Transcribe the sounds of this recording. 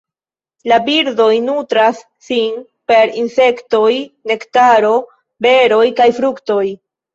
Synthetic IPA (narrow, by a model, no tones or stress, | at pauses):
labiɾdo̞jnutɾasːin | pe̞ɾinse̞kto̞jne̞ktaɾo̞ | be̞ɾo̞jkajfɾukto̞j